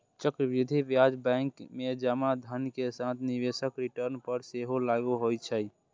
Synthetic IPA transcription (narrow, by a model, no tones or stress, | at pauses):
t͡ʃəkɾəbid̪ʱibjad͡ʒbɛ̃ŋkmed͡ʒamad̪ʱənkesat̪ʰniʋesəkɾiʈəɾnpəɾseɦolaɡuɦojt͡ʃʰə